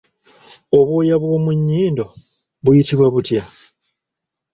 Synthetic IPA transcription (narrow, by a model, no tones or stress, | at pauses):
oβwo̞ːjaβwo̞ːmuɲːiːndo̞ | βujitiβwaβutja